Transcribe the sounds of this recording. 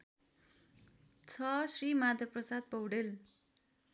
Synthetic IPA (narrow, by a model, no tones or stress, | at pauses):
t͡sʰʌsrimad̪ʱjʌprʌsad̪̚pʌwɖel